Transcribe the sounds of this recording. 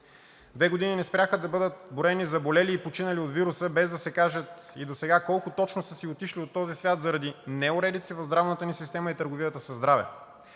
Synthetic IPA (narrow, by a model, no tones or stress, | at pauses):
d̪vɛɡod̪ininɛspɾʲaxəd̪ɐbɤd̪ət̪̚boɾɛnizɐbolɛliːpot͡ʃinəliot̪viɾusəbɛzd̪ɐsɛkaʒət̪id̪osɛɡakɔlˠkʊt̪ɔt͡ʃnosəsiot̪iʃliot̪ːɔzisvʲjat̪zɐɾɐd̪inɛʊɾɛd̪it̪sivɐvzd̪ɾavnət̪ənisist̪ɛməit̪əɾɡoviət̪əsɐzd̪ɾavɛ̰